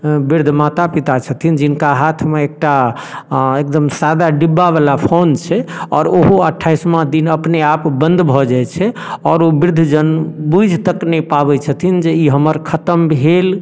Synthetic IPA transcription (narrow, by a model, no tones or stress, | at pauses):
biɾd̪ʱmat̪apit̪at͡ʃʰət̪ʰind͡ʒinkaɦat̪ʰmeek̚ʈa | ek̚d̪əmsad̪aɖibːaβalapʰont͡ʃʰɛɔ̰ːɾoɦoəʈʰːajsmãd̪inəpneapbə̃nd̪ʱbʱɔd͡ʒajt͡ʃʰɛɔːɾobiɾd̪ʱd͡ʒənbud͡ʒʱt̪əknɛpabɛt͡ʃʰət̪ʰind͡ʒeiɦəməɾkʰət̪əmbʱel